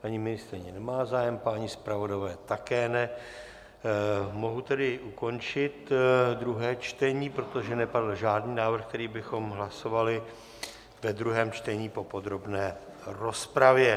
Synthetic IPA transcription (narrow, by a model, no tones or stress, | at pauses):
paɲimɪnɪst̪ɾɪɲɛnɛmaːzaːjɛmpaɲɪspɾavo̞davɛːt̪akɛːnɛ | mo̞ɦut̪ɛdɪʔuko̞nt͡ʃɪt̪d̪ɾuɦɛːt͡ʃt̪ɛɲiːpɾo̞t̪oʒɛnɛpadl̩ʒaːdniːnaːvr̩xk̚t̪ɛɾiːbɪxo̞mɦlaso̞valɪ | vɛd̪ɾuɦɛːmt͡ʃt̪ɛɲiːpo̞po̞d̪ɾo̞bnɛː | ɾo̞spɾavjɛ